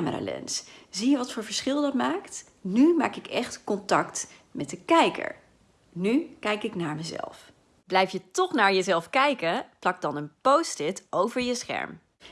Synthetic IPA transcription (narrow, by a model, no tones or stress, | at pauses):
məɾa̰ːlɛ̰nszijəʋɑtfʊːɹvəɹsχɪlˠdɑtmaːkt | nyma̰ːkɪkɛχtkɔntɑkt | mɛt̚dəkɛjkə̰ɹ | nykɛjkɪknaːɹməzɛ̰lˠf | blɛjfjətɔχnaːɹjəzɛlˠfkɛjkəplɑk̚dɑnənpowstɪtowvəɹjəsχɛ̰ɹm